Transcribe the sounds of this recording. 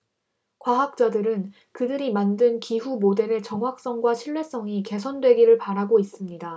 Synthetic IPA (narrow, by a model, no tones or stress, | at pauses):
kwaɦak̚t͡ɕ͈adɯɾɯn | kɯdɯɾimandɯnkiɦumode̞ɾe̞t͡ɕʌŋɦwak̚s͈ʌŋɡwaɕʰiɭwe̞s͈ʌŋike̞sʰʌndwe̞ɡiɾɯɭpaɾaɡois͈ɯmɲida